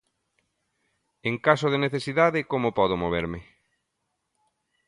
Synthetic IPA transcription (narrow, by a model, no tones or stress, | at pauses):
eŋkasoð̞eneθesiðaðɪkomopɔðʊmoβ̞ḛɾmɪ